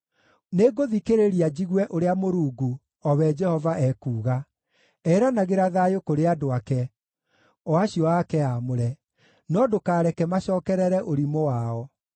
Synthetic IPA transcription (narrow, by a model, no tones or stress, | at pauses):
neːɡoðikeɾeɾiad͡ʑiɣwɛʔoɾeamoɾuːɡu | ɔwɛd͡ʒɛhɔvaʔɛkuːɣa | ɛɾanaɣeɾaðajokoɾeadoakɛ | ɔaɕiɔakɛamoɾɛ | nɔdokaːɾɛkɛmaɕɔːkɛɾɛɾɛʔoɾimowaːɔ